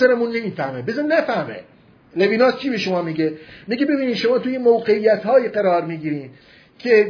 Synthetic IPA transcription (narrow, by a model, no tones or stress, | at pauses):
eɾemunːe̞miːfæhmebezɑnnæfæhmḛ | leviːnɒːskʰiːbeʃomɒːmiɡemiɡebe̞biːniːd̪ʃo̞mɒːt̪ʰujemoːɢeijːæt̪hɒːjiɢæɾɒːɾmiːɡiːɾiːm | kʰe